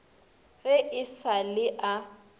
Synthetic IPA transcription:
ɣɪʔɪsalɪʔa

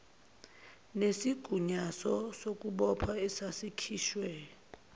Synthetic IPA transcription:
nesiɡ̥ʱuɲasɔsok̬ʼuɓɔpʰaɛsasikʰiːʃwɛ

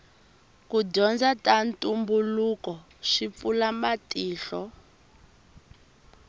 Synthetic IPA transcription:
kuɟɔnd͡zatantʼumbulukɔ | ʂip̪fulamatiːɬɔ

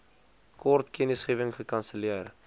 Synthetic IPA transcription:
kɔrtkɛnəsχiəvəŋχəkɐnsəliər

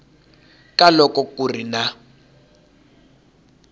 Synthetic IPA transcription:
kʼalɔkɔkurina

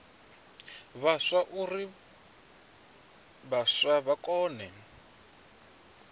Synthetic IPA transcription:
βaʂaʔuri | βaʂwaβakɔːnɛ

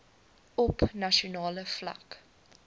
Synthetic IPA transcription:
ɔpnɐʃonɑːləflɐ̰k

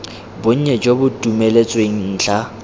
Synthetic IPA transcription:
bʊɲ̩ɲɛd͡ʒobʊtʼumelet͡sʼweŋ̩n̩ːt͡ɬa

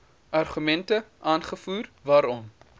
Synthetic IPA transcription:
ʔɐrχymɛntəʔaːnχəfuːrvɑːɾɔm

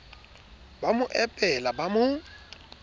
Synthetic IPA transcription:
bamʊʔɛpʼɛlabamʊ

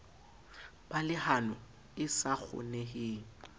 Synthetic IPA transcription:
b̥alɪhanɔ | ɪsak͡xʰʊ̰nɛhɪːŋ̩

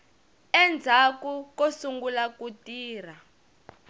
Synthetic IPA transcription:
ɛnd͡zʱakukosuŋɡulakutiːr̤a

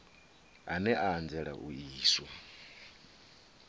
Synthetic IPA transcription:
anɛʔaːnd͡zɛɺa̰ʔuiːsɔ

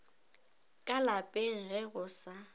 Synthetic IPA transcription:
kʼalapʼeŋ̩ɣɛɣʊsa

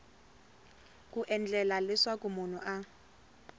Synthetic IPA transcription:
kʼuʔɛnd͡ɮʱɛlalɪswakʼumunuʔa

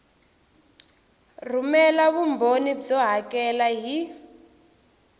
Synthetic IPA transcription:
r̤umɛlaβumbonid͡zɔɦakɛlaɦi

